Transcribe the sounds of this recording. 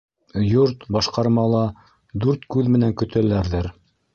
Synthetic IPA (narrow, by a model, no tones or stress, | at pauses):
joɾt̪bɑʃqɑɾmɑlˠɑ | d̪ʉɾt̪kʉðmɘ̆næŋkɵ̆t̪ɘ̆læɾðɘɾ